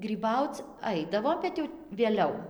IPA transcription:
ɡrʲiːˈbɐʊt͡s ˈɐɪdɐʋoː bʲɛt ˈjɛʊ ʋʲeːˈlʲɛʊ

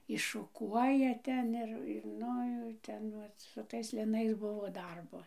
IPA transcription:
ɪʃʃʊˈkuɔjɛ ˈtʲɛn ɪr ɪr ˈnʊ jɛʊ ˈʋɐt ˈtʲɛn sʊ ˈtɐɪs lʲɪˈnɐɪs ˈbʊʋoː ˈdɐrboː

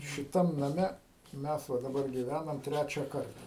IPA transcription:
ʃʲɪˈtɐm nɐˈmʲɛ ˈmʲɛs ʋɐ dɐˈbɐr ɡʲiːˈʋʲænɐm ˈtʲrʲæt͡ʃʲɛ ˈkɐrtɐ

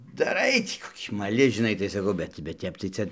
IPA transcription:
dɐˈrɐɪ ˈtʲiː koːˈkʲiː mɐˈlʲɪ ʒʲɪˈnɐɪ tɐɪ sɐˈkɐʊ ˈbʲɛt bʲɛt ˈtʲɛp tɐɪ ˈt͡sɐ

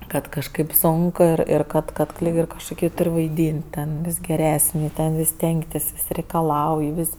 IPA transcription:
ˈkɐt kɐʃˈkɐɪp ˈsoːŋk ˈɪr ˈɪr ˈkɐt ˈkɐt ˈlʲiːk ɪr kɐʃkʊˈkʲiː ˈtʊrʲ ʋɐɪˈdʲiːnʲtʲ tʲɛn ˈʋʲɪs ɡʲɛˈrʲæːsʲnʲɪ ˈtʲɛn ʋʲɪs ˈsʲtʲɛŋktʲɪs ˈʋʲɪsʲ rʲɛɪkɐˈlˠɐʊj ˈʋʲɪsʲ

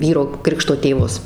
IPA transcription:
ˈʋʲiːroː ˈkrʲɪkʃtoː tʲeːˈʋʊs

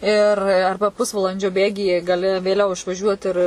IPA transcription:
ɪr ˈɐrbɐ ˈpʊsʋɐlˠɐnʲd͡ʒʲoː ˈbʲeːɡʲiːjɛ ɡɐˈlʲɪ ʋʲeːˈlʲɛʊ ɪʃʋɐˈʒʲuɔt ɪr

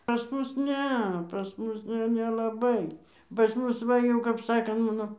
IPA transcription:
pɐs ˈmʊs ˈnʲɛ pɐs ˈmʊs jɛʊ nʲɛlˠɐˈbɐɪ pɐs ˈmʊs ˈʋɐ jɛʊ kɐp ˈsɑːkoː ˈmɑːnoː

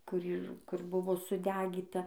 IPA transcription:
kʊr ˈiːr ˈkʊr ˈbʊʋoː sʊˈdʲæːɡʲiːtɐ

